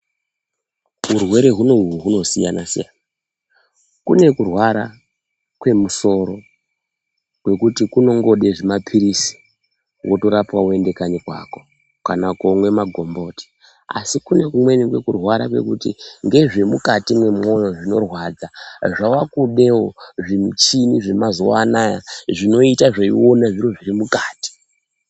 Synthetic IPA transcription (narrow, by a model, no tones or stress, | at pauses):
urwe̞ɾe̞ɦunouɦuno̞sija̰nasija̰na | kune̞kurwaɾa | kwe̞muso̞ɾo̞ | kwe̞kutikuno̞ŋɡo̞ɗe̞ʐemapʰiɾisi̥ | wʔoto̞ɾapwaue̞nde̞kaɲikwa̰ko̥ | kanakomwe̞maɡʱo̞mbo̞ːti̥ | a̰sikune̞kumwe̞nikwe̞kurwaɾa̰kwe̞̰kutiŋɡe̞ʐemukatimwe̞mo̞jo̞ʐino̞̰rwaːd͡zaʐawakuɗe̞woʐinut͡ʃiniʐemazowa̰naja̰ʐino̞itaʐeḭwo̞naʐiɾoʐirimukaːti̥